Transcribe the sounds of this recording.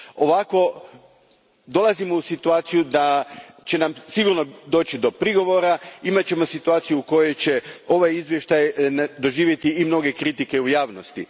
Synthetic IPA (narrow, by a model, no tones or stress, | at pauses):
o̞ʋako̞ | d̪o̞lˠazimousit̪uaːt̪sijud̪a | t͡ɕe̞namsiɡuɾno̞d̪o̞ːt͡ɕid̪o̞pɾiɡo̞ʋo̞ɾaimat͡ɕe̞mo̞sit̪uaːt̪sijuuko̞jo̞jt͡ɕe̞o̞ʋajizʋje̞ʃt̪ajnd̪o̞ʒiːʋje̞t̪iːmno̞ɡe̞kɾit̪ike̞ujaːʋnost̪i